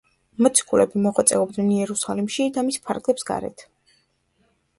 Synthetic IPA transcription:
mɔt̪sʰi̥kʼulɛbimɔχwat̪sʼɛɔbd̪nɛnjɛɾusalimʃid̪amispʰa̰ɾɡlɛpsɡa̰ɾɛ̰t̪ʰ

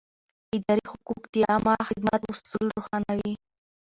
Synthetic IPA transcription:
ɪd̪ɑɾixʊkukd̪iɑmɑxɪd̪mat̪wʊsulɾoxɑnawi

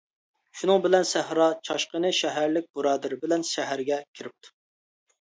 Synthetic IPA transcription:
ʃunɨŋbɪlɛnsæhɾɑt͡ʃʰɑʃqənɨʃɛɦæɾlɪk̚ʲb̥uɾɑːd̪ɨɾbɪlɛnʃɛɦæɾɡʲɛkʲʰiɾɪp̚t̪ʰu̥

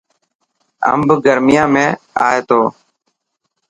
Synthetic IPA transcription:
ə̰mbɡəɾmɪjãːmẽːaːeːt̪oː

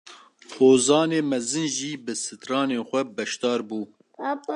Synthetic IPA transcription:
xoːzɑːneːmɛzɨnʒiːbɨsɨt̪rɑːneːnxʷɛbɛʃt̪ɑːɾbuː

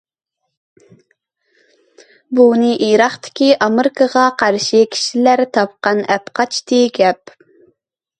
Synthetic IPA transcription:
bunɨʔijɾɑχt̪ʰɪ̥kʲiʔɑmeɾkʰəʁɑqʰɑɾʃikʲʰi̥ʃilæɾt̪ʰɑp̚qɑnɛpqɑt͡ʃt̪ʰɨɡʲɛp

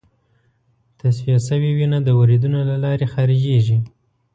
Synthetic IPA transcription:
t̪aswijasəwiwinad̪əwaɾid̪unolalɑɾexɑɾid͡ʒeʒi

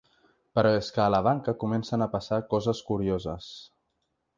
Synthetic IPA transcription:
pəɾɔeskəːləβ̞aŋkəkumɛnsənəpəsakɔzəskuɾiozəs

